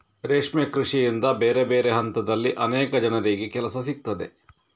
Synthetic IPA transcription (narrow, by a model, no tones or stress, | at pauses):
ɾeːʂmekɾiʂijind̪ɐbeːɾebeːɾeɦɐnt̪ɐd̪ɐlːiʔɐnɛːkɐd͡ʒɐnɐɾeːɡekɛlɐsɐsik̚t̪ɐd̪e̞̰